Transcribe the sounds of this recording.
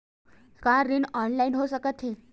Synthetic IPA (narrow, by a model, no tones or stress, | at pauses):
kaɾinɔnlainɦosəkət̪ɦe